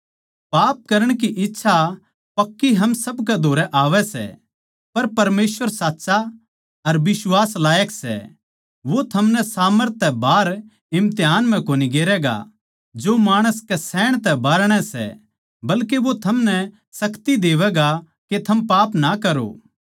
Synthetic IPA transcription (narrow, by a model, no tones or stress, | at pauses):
paːp̚kɐɾəɽ̃kiʔɪtːʃʰa | pɐkːiɦɐmsɐbkɛd̪ʱoːɾɛʔaːʋɛsɛ̰ | pɐɾpɐɾmeːsʋəɾsaːtːsa | ɐɾbɪswaːslaːjəksɛ̰ | ʋot̪ʰɐmnɛsaːməɾt̪ːɛbaːɾ | ɪ̃mt̪eɦaːnm̤ɛ̃koːniɡeːɾɛɡa̰ | d͡ʒomaːɽ̃əskɛsɛːɽ̃t̪ɛbaːɾɽ̃ɛsɛ̰ | bɐlkeʋot̪ʰɐmnɛ | sɐkt̪id̪eːʋɛɡa | ket̪ʰɐmpaːpnakɐɾo̰ː